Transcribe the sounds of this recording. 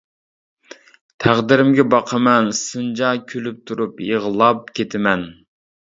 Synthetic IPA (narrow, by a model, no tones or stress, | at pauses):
t̪ʰæʁd̪ɪɾɪmɡʲɛbɑqʰəmɛnsund͡ʒɑkʲʰølyp̚t̪ʰuɾupjeʁlˠɑp̚kʲʰet̪ʰɪmɛn